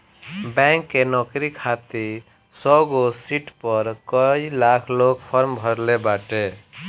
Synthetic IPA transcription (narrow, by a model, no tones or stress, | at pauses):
bɛ̃ŋkːenɔkɾikʰat̪i | sɔɡosiʈpəɾkəilakʰloɡpʰəɾmbʱəɾlebaʈe